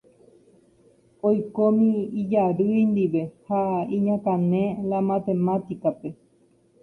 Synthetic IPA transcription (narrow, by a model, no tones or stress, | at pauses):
ojkomĩid͡ʒaɾɨjnd̪iʋe̞haĩɲãkãnẽlamãt̪e̞mãt̪ikape̞